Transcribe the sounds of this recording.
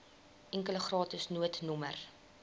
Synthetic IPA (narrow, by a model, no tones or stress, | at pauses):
ʔɛŋkələχrɑːtəsnuətnɔmə̰r